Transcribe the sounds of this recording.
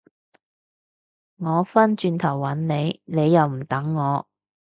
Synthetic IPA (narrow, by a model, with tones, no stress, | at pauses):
ŋɔː˨˧fɐ˥nt͡ʃyː˧nt̪ʰɐ˨˩wːɐ˨˥nne˨˧jne˨˧jːɐ˨˧wm̩˨˩t̪ɐ˨˥ŋːɔː˨˧